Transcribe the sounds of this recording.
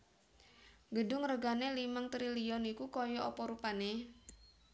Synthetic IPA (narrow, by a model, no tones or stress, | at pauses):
ɡədʊŋrəɡanelimaŋt̪ɾiliɔnikukɔjɔʔɔpɔɾupane